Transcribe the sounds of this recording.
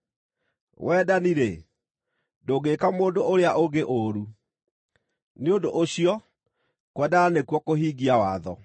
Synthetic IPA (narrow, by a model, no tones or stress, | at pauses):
wʔɛːdaniɾe | doɡekamoːndooɾeaʔoɡeʔoɾu | neondoʔoɕiɔ | kwɛdaanekwɔkoɦiːɡiawaːðɔ